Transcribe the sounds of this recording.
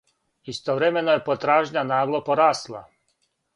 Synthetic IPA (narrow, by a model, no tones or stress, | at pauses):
ist̪oʋɾemenojepot̪ɾaːʒɲanaːʋlˠopoɾaːslˠa̰